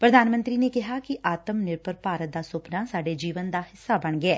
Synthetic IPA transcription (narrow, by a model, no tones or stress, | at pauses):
pɾəd̪aːnmə̃nt̪ɾiːneːkɪɦaːkɪʔaːt̪əmnɪɾpəɾpaːɾət̪̚d̪aːsʊpnaːsaːɖeːd͡ʒiːʋənd̪aːhɪsːaːbəɳɡɪɛː